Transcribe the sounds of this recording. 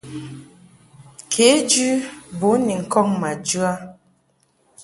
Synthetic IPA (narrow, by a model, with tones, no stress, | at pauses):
kʰe˨˦d͡ʒʉ˦bo˨˦ni˨ŋ̩˨kɔ˦˨ŋma˨d͡ʒʉ˦a˦